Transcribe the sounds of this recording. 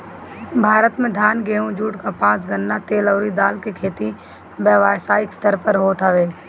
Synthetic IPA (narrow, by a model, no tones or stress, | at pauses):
bʱaːɾət̪mẽd̪ʱjaːnɡeːɦũd͡ʒuːʈkapãːs̬ɡənːat̪eːlɔːɾid̪aːlkekʰeːt̪i | bɛːʋaːsaːɪkst̪əɾpəɾɦoːt̪ʰaʋeː